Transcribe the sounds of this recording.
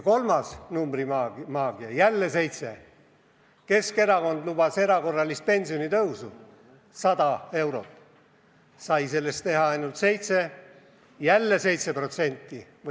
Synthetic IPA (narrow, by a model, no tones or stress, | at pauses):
ko̞lmɑsnumbrimɑːɡ̥iɑjælːese̞jt̪se̞ | ke̞ske̞ɾɑko̞nd̪lub̥ɑse̞ɾɑko̞rːɑlist̪̚pe̞nʲsio̞nit̪ɤwsu | sɑd̪ɑe̞wɾo̞̰t̪ | sɑjse̞lːe̞st̪e̞ɦɑɑjnult̪se̞jt̪se̞ | jælːese̞jt̪se̞pro̞t̪se̞nʲt̪ːˑiv